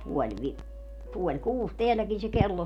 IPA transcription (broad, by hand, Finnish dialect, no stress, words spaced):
puolʲ ʋi puolʲ kuːs teælːækin se kelːo